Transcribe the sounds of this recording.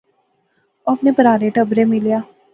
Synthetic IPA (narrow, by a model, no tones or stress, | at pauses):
ɐpnepəɾaːɾeʈəbɾemɪlijaː